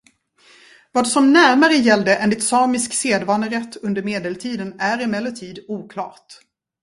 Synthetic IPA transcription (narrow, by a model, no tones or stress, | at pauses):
vɑːd̪sɔmnæɾmaɾəjɛld̪əʔɛnd̪ɪt̪sɑːmɪskseːd̪vɑːnəɾɛt̪ʰːɵnd̪əɾmeːd̪ɛlt̪ʰiːd̪ənæɾɪmɛlːət̪ʰiːd̪uːkʰlɑ̰ːʈ̪